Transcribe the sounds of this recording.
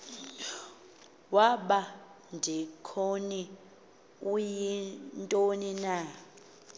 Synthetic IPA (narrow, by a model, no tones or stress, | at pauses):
waɓa | ndʱikʰoni | ujintʼonina